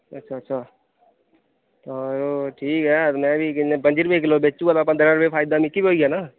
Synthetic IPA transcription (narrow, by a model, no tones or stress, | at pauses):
ɐtːʃʰaːtːʃʰa | t̪ɔɾoʈʰiːkɦɛt̪omɛ̃bʱikɪebə̃nd͡ʒɪɾbekʰlobeːt͡ʃːũalapə̃d̪ɾaɾʊpepʰaːɪd̪amɪkibiɦoːiɛːnaː